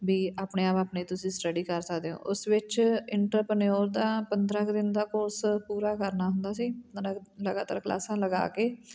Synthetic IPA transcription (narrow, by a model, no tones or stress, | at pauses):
biːaːpɳeːaːpaːpneːt̪ʊsĩːsʈəɖiːkəɾsəkd̪eːõ̰ːʔʊsʋɪt͡ʃɪɳʈəɾpənoːɾd̪aːpənd̪ɾəːkd̪ɪnd̪aːkoːspuːɾaːkəɾnaːɦʊnd̪aːsiːpənd̪ɾəkləɡaːt̪a̰ːɾkla̰ːsãːləɡa̰ːkeː